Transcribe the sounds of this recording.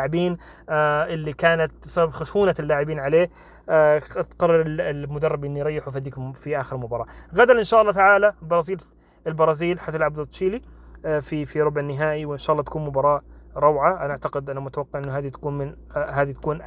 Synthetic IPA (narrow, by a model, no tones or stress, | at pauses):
ʕɪbiːn | aʔɪlːikaːnat̪̚sababxʊʃuːnaɪlːaːʕɪbiːnʕaleː | t̪qɑrˤːɑɾɪlɪlmʊd̪ɑrˤːɪbʔɪnːijɾˤɑjːɪħufhad̪iːkmfiʔaːxɪɾɪlmʊbɑɾˤɑːɣad̪alʔɪnʃaːʔɑlˤːɑːt̪aʕaːlabɑɾˤɑːziːl | ɪlbɑɾˤɑːziːlħat̪ːalʕabd̪ɑt̪ˤʃiːlififiɾˤʊbʕnːɪɦaːʔiwʔɪnʃaːʔɑlːɑːt̪akuːnmʊbɑɾˤɑːʔɾˤɑwʕaʔanaʔaʕt̪aqɪd̪ʔanamʊt̪awɑqːɑʕɪnːʊɦaːðit̪ḁkuːnmɪn | ɦaːd̪it̪ḁkuːn